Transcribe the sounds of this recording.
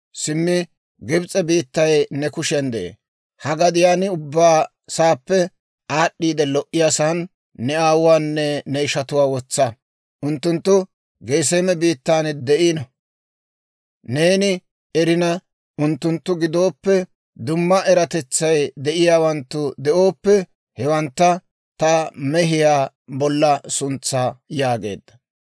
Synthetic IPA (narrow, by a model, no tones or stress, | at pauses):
sɪmːɪ | ɡɪbt͡sʼɛbiːt̪ːɐjnɛkʊʃɛnd̪ɛ̰ḛ | hɐɡɐd̪ɪjaːnɪʊbːaː | saːpːɛ | aːɗːiːd̪ɛlɔʔːɪjaːsaːnː | ɛaːwʊwaːnːɛnɛɪʃɐt̪ʊwaːwɔt͡sːɐ | ʔʊnt̪ːʊnt̪ːʊ | ɡeːs̬eːmɛbiːt̪ːaːnd̪ɛʔinɔ | ne̞ːnɪ | ɛɾɪnɐ | ʊnt̪ːʊnt̪ːʊɡɪd̪o̞ːpːɛ | d̪ʊmːɐʔɛɾɐt̪ɛt͡sːɐjd̪ɛʔɪjaːwɐnt̪ːʊd̪ɛʔo̞ːpːɛ | hɛwɐnt̪ːɐ | t̪ɐmɛɦɪjaː | bɔlːɐsʊnt͡sːaːjaːɡe̞̰ːd̪ːɐ̥